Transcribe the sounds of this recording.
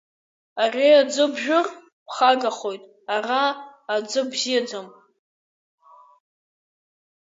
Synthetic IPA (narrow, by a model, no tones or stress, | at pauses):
arʲead͡zɨbʒᶣʊr | pʰχaɡaχo̞jtʼ | araːd͡zɨbzijad͡zam